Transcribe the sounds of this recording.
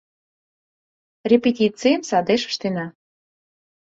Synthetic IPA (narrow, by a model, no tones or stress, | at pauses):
rʲepetʲit͡sijəmsɑd̪eʃə̥ʃt̪enɑ